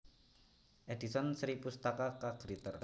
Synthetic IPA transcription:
ʔedisɔnsɾipust̪akakaɡ̥ɾit̪ər

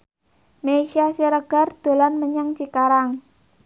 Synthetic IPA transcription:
meiʃiasiɾəɡ̥a̤rd̪̥o̤lanməɲaŋt͡ʃikaɾaŋ

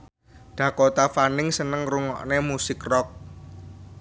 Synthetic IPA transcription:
ɖ̪̥ä̤kot̪afanɪŋsənəŋruŋɔ̰ʔnemusɪkrɔk̚

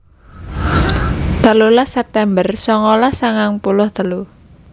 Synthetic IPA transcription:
t̪a̤lulasɛp̚t̪ɛmbərsɔŋɔlasaŋaŋpulʊhd̪a̤lu

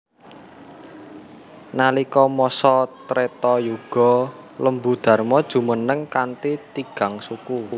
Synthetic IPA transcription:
nalikɔmɔsɔt̪ɾet̪ɔjuɡ̥ɔ̤ | ləmbud̪̥ä̤rmɔd̥ʒ̥ṳmənəŋkant̪it̪iɡ̥a̤ŋsuku

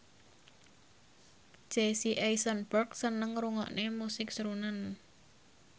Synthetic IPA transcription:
d͡ʒ̥esiʔejsənbərksənəŋɾuŋɔ̰ʔnemusɪksɾunan

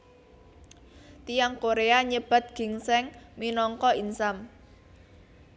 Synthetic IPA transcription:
t̪ijaŋkoɾeaɲəb̥a̤t̪̚ɡ̥i̤ŋsɛŋminɔŋkɔinsam

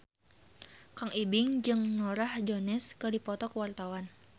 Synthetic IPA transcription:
kaŋibɪŋd͡ʒɨŋnɔɾahd͡ʒonɪskədipɔt̪ɔkəwart̪awan

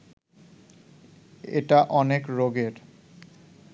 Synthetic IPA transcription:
ḛʈaʔɔnekɾoɡeɾ

